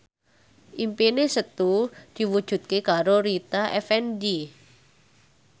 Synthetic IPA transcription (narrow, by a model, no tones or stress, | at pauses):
ʔimpenesət̪ud̪̥i̤wud̥ʒ̥ṳt̪̚kekaɾoɾit̪aʔɛfɛndi